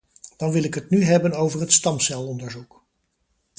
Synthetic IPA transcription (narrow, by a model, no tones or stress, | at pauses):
d̥ɑnʋɪlɪkɦətnyɦɛbənowvəɹɦətstɑmsɛlˠɔndəɹzuk